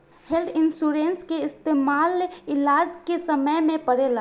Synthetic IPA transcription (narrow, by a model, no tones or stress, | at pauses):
held̪ʰɪnsuɾenskeɪst̪eːmaːlɪlaːd͡ʒkesəməjmẽpəɽeːla